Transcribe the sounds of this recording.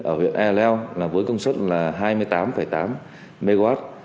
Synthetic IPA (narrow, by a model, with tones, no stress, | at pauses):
ʔəː˧˩wḭ˧˨ənʔɛ˧lɛ˧wlaː˨˩vəː˨˦jkə˧wŋ͡mswə˦˥t̚laː˨˩ɦaː˧jmɨ˧əjt̪aː˨˦mfə˧˩jt̪aː˨˦m | me˧ɣwaː˦˥t̚